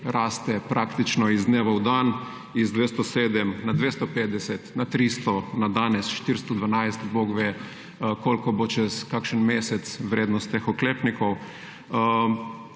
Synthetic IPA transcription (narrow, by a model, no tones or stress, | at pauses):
ɾaːst̪ɛpɾʔakt̪it͡ʃnɔizd̪neʋɐwd̪an | izd̪ʋest̪ɔseːd̪ɛmnad̪ʋeːst̪ɔpeːt̪̚d̪ɛsɛt̪nat̪ɾist̪ɔnad̪aːnɛsʃt̪iɾst̪ɔd̪ʋanajst̪boɡʋe | kolkɔbot͡ʃɛskakʃənmesɛt̪sʋɾeːd̪nɔst̪ːexɔkleːpnikɔw